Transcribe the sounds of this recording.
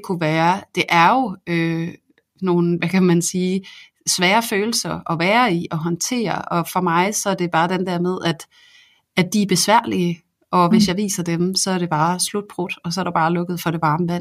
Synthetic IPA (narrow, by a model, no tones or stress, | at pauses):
kʰuʋæːɐd̥e̝ʔæɐjo̝ø | no̝ːn̩ʋækʰæmænsiː | sʋɛːɐføːl̩sɐɒ̽ʋæːɐiɒ̽ɦɒ̽nt͡sʰe̝̰ːɐɒ̽fɒ̽mɑ̈ɪsɒ̽æɐd̥e̝b̥ɑ̈ːd̥end̥æɐ̰meðˠæd̥ | ædd̥iæb̥e̝sʋæɐ̰liə | ʔɒ̽ʋe̝sjɑ̈ɪʋḭːsɐd̥emsɒ̽æɐɾ̥e̝b̥ɑ̈ːslud̥̚b̥ʁod̥ɒ̽sɒ̽æɐɾ̥ɑb̥ɑ̈ːlɔ̽ɡ̥ð̩ˠfɒɾe̝ʋɑ̈ːməʋæn̰